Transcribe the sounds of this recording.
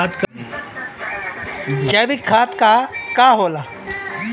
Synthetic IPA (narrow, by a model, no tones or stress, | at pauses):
at̪k | d͡ʒɐbikʰaːt̪kakaɦoːla